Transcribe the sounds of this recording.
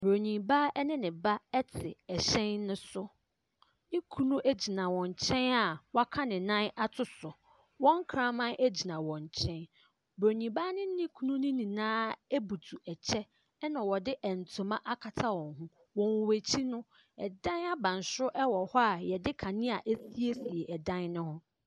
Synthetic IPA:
bɾo˨ɲĩ˨ba˦ɛ˦nɪ̃˦nɪ̃˨ba˦ɛ˦tʰɪ˨ɛ˨ɕɛ̃˦nːʊ̃˦sʊ˦ | nɪ̃˦kʰu˦nũ˦ʔæ˦d͡ʑi˨nã˨wɔ̃˨ɲ˨t͡ɕʰɛ̃˦na˨wa˦kʰa˦nɪ̃˨nã˦na˦tʰʊ˦sʊ˨ | wɔ̃˦ŋ˦kʰɾã˦mã˦nʔe˦d͡ʑi˨nã˨wɔ̃˨ɲ˨t͡ɕʰɛ̃˦n | bɾo˨ɲĩ˨ba˦nɪ̃˦nɪ̃˦kʰu˦nũ˦nɪ̃˦nĩ˨nãː˦e˦bu˨tʰu˨ɛ˨t͡ɕʰɛ˦ | nã˨wɔ˨dɪ˦ʔɛ˨n̩˨tʰʊ̃˨mã˦ʔa˦kʰa˨tʰa˦wɔ̃˨ŋɦũ˦ | wɔ̃˨wwæ˨t͡ɕʰi˦nʊ̃˦ | ɛ̰˨dã˦na˦bã˨n˨sʊ˦ʔɛ˦wɔ˨hɔ˦a˨jɛ˨dɪ˦kʰã˨nɪ̃˦a˨ʔe˦si˦e˦si˨e˨ʔɛ˨dã˦nnʊ̃˦hʊ̃˦

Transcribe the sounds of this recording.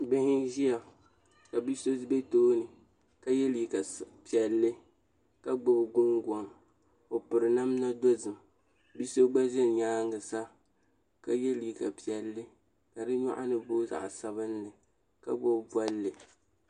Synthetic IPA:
bɪ˦hɪ˦ʒi˦a˨ | ka˨bi˦so˦be˦toː˦nɨ˨ | ka˦jɛ˦li˨ka˨pi˨ɛ˨lːɨ˦ | ka˦ɡ͡bo˦bɡʊ˦ŋɡʷɔ˨ŋ | o˨pʊ˨ɾɨ˨na˦mna˦do˦zɨ˨m | bi˦so˦ɡ͡ba˦ʒɛ˦n˨ɲaː˦ŋɡɨ˨sa˦ | ka˦jɛ˦li˨ka̰˨pi˨ɛ˨lːɨ˦ | ka˨dɨ˦ɲa̰˦ʔa˦nɨ˦boː˦za̰˨ʔsa˦βɨ˦nlɨ˨ | ka̰˦ɡ͡bo˦bba˦lːɨ˨

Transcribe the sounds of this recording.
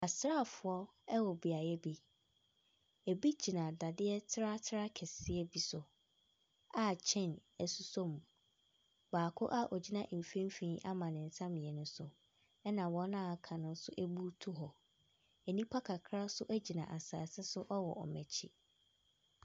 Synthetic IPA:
a˨sɾa˦˨fʊ˨ɔ˦ | ɛ˦wɔ˨bi˨a˨jɛ˦bi˦ | æ˨bi˦d͡ʑi˨nã˨da˨dɪ˦ɛ˦tʰɾa˦tʰɾa˦kʰɛ˨sɪ˦ɛ˦bi˨sʊ˨ | a˦t͡ɕʰɛ̃˦˨næ˨su˦sɔ̃˦m˨ | baː˨kʰʊ̰˦ʔa˦ʔɔ˨d͡ʑi˦nã˦ʔ̩˨fẽ˦m˦fĩ˦ʔa˦mã˨nɪ̃˨n̩˨sã˦mɪ̃˨ɛ˨nʊ̃˦sʊ˨ | ɛ˦nã˨wɔ̃˦nã˦˨kʰã˨nʊ̃˦n̩˦sʊ˦ʔɛ˦bu˦tʰu˦ɦɔ˨ | ɛ˨nĩ˦pʰa˦kʰa˨kʰɾa˦sʊ˦ʔæ˦d͡ʑi˨nã˨ʔa˨saː˨sɪ˦sʊ˦ʔɔ˦wɔ̰˨ʔɔ˨mɛ̃˨t͡ɕʰi˦

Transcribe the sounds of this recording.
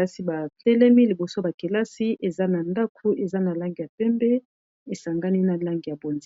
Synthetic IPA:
a˦si˦ba˨tɛ˦lɛ˦mi˦li˨bo˨so˦ba˨ke˨la˦si˦ʔe˨za˦na˨nda˦kʰu˦ʔe˨za˦na˨la˦ŋɡi˨ja˨pɛ˦mbɛ˦ | e˨sa˨ŋɡa˦ni˦na˨la˦ŋɡi˨ja˨bo˨nz

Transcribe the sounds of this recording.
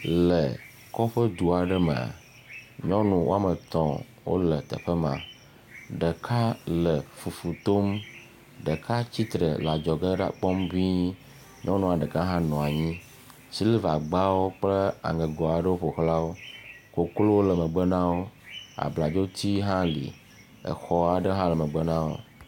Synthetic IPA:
lə˨ | kɔ˦ɸə˦d̪u˨a˨ɖə˦mə̰̃˨a̰˨ | ɲɔ̃˦nũ˨wʔo̰˦a˦˨mə˨t̪ɔ̃˨ | wo̰˦lə˨t̪ə̰˨ɸə˦mã̰˨ | ɖə˨kʰa˦lə˨fu˨fu˨t̪o˦m | ɖə˨ka˦t͡ɕi˦t̪ɾə̰˨la˨d͡ʒɔ˨ɡə˦ɖa̰˦k͡pɔ˦mvĩ˦ | ɲɔ̃˦nũ˦a˨ɖə˨ka˦ɦã˦nɔ̃˨a˨ɲĩ˦ | si˦li˦va˨ɡ͡ba˦wo˦k͡plə˦a̰˨ŋə˨ɡɔ˨a˨ɖə˦wo˦ɸo˨xla˦wo˦ko˨klo˦wo˦lə˨mə̃˨ɡ͡bə˦nã˦wo˦a̰˨bla˨d͡ʒo˦t̪i˦ɦã˦lḭ˨ | ə̰˨xɔ˦a˨ɖə˦ɦã˦lə˨mə̃˨ɡ͡bə˦nã˦wo̰˦

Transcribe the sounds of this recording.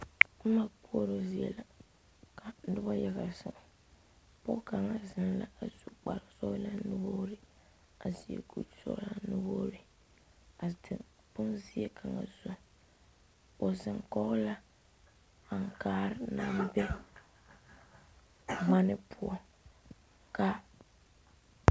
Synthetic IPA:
ma˦ku˦ɔ˦ɾo˨zi˨ɛ̰˨la˨ | ka˨n˦dʊ˦ba˦ja˦ɣa˨sʊ˨ŋ˨ | pʊ˦ka˨ŋa˨zɪ˦nla̰˦a˨zu˨k͡pa̰˨ɾɪ˨sɔ˦la˦nu˦boː˦ɾɪ˦ | a˨zi˨ḛ˨ɡu˨lsɔ̰˨˦la˨nʊ˦boː˦ɾɪ˦ | a˨tɪ˨ | pʊ˦nzi˦e˦kʰa˨ŋa̰˨zʊ˨ | o˨zɪ˨ŋkɔ˦ɣla˦ | a˨ŋ˨kaː˦ɾɪ˦na˦m˦bɛ˦ | ma˦nɪ˦pʰʊ˦ɔ˦ | ka˨

